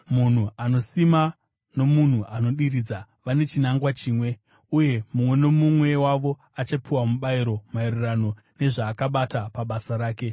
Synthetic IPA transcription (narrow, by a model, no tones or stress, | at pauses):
mun̤uano̞sima | no̞mun̤uano̞ɗiɾid͡za | ʋane̞t͡ʃinaŋɡwat͡ʃiːmwe̞ | uje̞mumwe̞no̞mumwe̞waʋo̞ | at͡ʃapiwamuɓaiɾo̞mairirano̞ | ne̞ʐaːkaɓatapaɓasaɾaːke̞